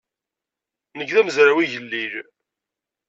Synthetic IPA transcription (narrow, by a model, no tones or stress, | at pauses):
nəɡðæməzɾawiʝəlːil